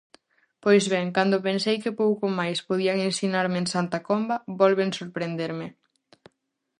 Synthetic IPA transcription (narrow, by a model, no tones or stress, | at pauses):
pojzβɛŋkand̪opẽnsejkɪpowkomajspoðiaŋensinaɾmeensant̪akombɐbɔlβeŋsoɾpɾend̪eɾmɪ